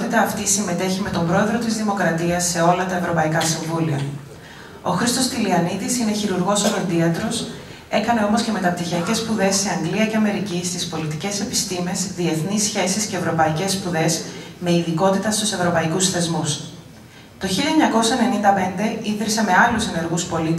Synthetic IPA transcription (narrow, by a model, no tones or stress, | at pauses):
t̪it̪ɐːft̪isime̞t̪e̞çime̞t̪o̞mbɾo̞e̞ðɾo̞t̪izðimo̞kɾɐt̪iɐsːe̞o̞lɐt̪ɐevɾo̞pɐikɐsiɱvuliɐ̰ | o̞̰xɾist̪o̞st̪iliɐnit̪isine̞çiɾuɾɣo̞soɾend̪iɐt̪ɾo̞s | e̞kɐne̞o̞mosce̞me̞t̪ɐp̚t̪içiɐce̞spuðe̞sːeɐŋɡliɐce̞ɐme̞ɾicist̪ispo̞lit̪ice̞se̞pi̥st̪ime̞zðie̞θnisçe̞sisce̞ːvɾo̞pɐice̞spuðe̞z | me̞iðiko̞t̪it̪ɐst̪use̞vɾo̞pɐikusθe̞zmus | t̪o̞çilɐeɲɐko̞sɐene̞nind̪ɐpe̞nd̪e̞iðɾise̞me̞ɐluse̞ne̞ɾɣuspo̞lit̪i